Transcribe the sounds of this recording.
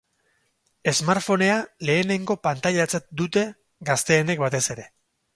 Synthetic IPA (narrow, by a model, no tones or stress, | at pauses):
e̞zmaɾfo̞ne̞ale̞ːne̞ŋɡo̞pant̪aʎat͡sat̪̚d̪ut̪e̞ | ɡast̪e̞ːne̞k̚bat̪e̞se̞ɾe̞